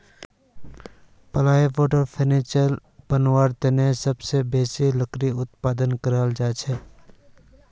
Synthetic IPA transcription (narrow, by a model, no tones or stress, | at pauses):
pəlaːjpoːʈəɾpʰeneːt͡ʃəl | pənwaːɾt̪enesəbsebeːsiləkɾiʊt̪̚paːd̪ənkəɾaːld͡ʒaːt͡ʃʰɛː